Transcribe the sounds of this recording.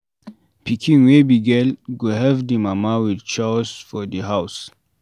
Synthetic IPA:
pʰikʰĩŋwebiɡɛlɡuɦɛvdimamawidt͡ʃɔsfɔdəɦaws

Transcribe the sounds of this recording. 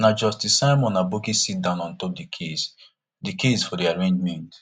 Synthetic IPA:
nad͡ʒɔstisãmɔ̃nabokisit̚dãʊ̃nɔ̃ntopdikʰes | dikʰesfɔdiaɹẽnd͡ʒmɛ̃nt

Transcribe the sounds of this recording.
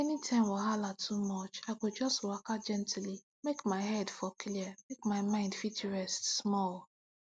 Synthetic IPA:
ɛnitʰãɪ̃mwɔɦalatʰumɔt͡ʃaɪkʊd͡ʒɔstwakad͡ʒɛ̃ntʰli | mekmaɪɦɛdfɔkʰliəmekmaɪmãɪ̃ndfit͡ʃəɹɛstsmɔl

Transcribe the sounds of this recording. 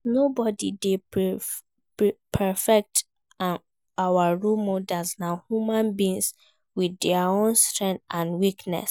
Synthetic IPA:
nobɔdḭde | pʰɛfɛk̚t | awaɹumɔdasnãhjumãnbĩns | widɛaõnstɹɛ̃ntãnwiknɛ̰s

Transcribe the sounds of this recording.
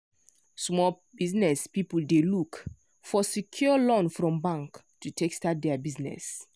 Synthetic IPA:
smɔl | biznɛspipuldeluk | fɔsikʰjɔlɔ̃nfɹɔ̃mbãŋk | tutʰekstat̚dɛabiznɛ̰s

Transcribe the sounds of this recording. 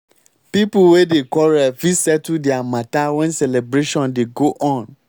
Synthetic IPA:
pipuwedekɔɾɛfisɛtudɛamãtawɛ̃nsɛlebɾeʃɔ̃ndeɡoʔɔ̃n

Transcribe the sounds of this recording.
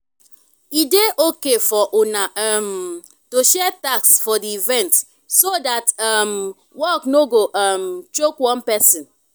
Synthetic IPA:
ideʔokefɔʔonaam | toʃɛtaksfɔdiivɛ̃nt | sodatam | wɔknoɡoʔamt͡ʃokwɔ̃npɛsĩn

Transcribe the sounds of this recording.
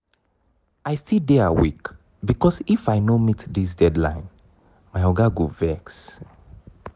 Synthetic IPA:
ajstidɛawik | bikɔsifajnomitdis̬dɛdlã̰ɪ̃n | maɪɔɡaɡovɛks

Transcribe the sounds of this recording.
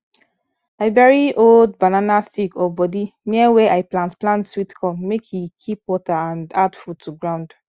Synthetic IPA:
aɪvɛɹiʔoldbananastikɔbɔdiniəwɛʔaɪplãntplãntswitkʰɔmekʰjikʰip̚wɔtaãndadfud̚tʰuɡɹãʊ̃nd̥

